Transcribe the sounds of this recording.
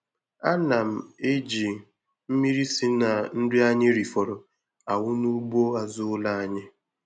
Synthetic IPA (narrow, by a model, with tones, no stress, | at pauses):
a˦na˨m̩˨e˦d͡ʒi˨ | m̩˦mi˦ɾi˦si˦na˨n̩˦dɪ˦a˦ɲɪ˦ɾi˨fɔ˨ɾɔ˨ | a˨wʊ˦nu˦ɡ͡bo˦a˨zʊ˦ʊ˦la˦a˨ɲɪ˦